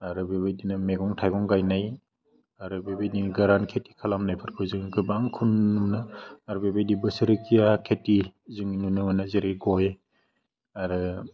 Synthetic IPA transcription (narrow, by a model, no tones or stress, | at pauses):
aɾɯbebajdinameɡɔŋtʰajɡɔŋɡajnaj | aɾɯbebajdinɡaɾankʰeti̥kʰalamnajpʰɯɾkʰɯzɯŋɡɯbaŋkʰunumnaːɾubebajdibɯsɯɾɯkʰijakʰetizɯŋnunɯmanazeɾiɡɔje | aɾɯ